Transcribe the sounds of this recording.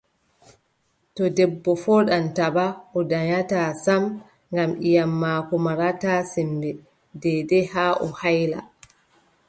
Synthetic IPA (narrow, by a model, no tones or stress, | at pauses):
tɔdɛbːɔfɔɗantabaʔɔdaɲataːsam | ŋɡamʔijamːaːkɔmaɾataːsɛmbɛ | dɛdɛhaːʔɔhajla̰